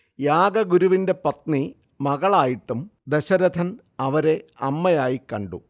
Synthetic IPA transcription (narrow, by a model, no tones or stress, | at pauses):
jaːɡɐɡuɾuʋinde̞pɐt̪ni | mɐɣɐɭaːjiʈːumd̪eɕɐɾɐd̪ʰʱɐn | ɐʋɐɾe̞ɐmːɐjaːjikɐɳɖṵ